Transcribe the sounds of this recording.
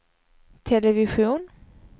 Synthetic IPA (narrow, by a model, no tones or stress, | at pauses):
t̪ʰɛlɛvɪɧuːn